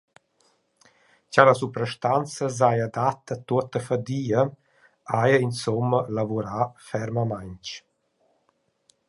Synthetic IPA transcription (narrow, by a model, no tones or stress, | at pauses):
calasupɾəʃt̪ant͡səzajad̪at̪at̪uət̪əfad̪iːə | ajəinsɔmːəlavuɾafɛɾməmajnt͡ʃ